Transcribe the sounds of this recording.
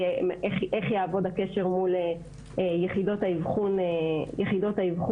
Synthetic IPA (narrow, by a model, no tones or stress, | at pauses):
mʔeχʔeχjaːvo̞dhakeʃe̞ʁmule | ejeχido̞thaivχunejeχido̞thaivχu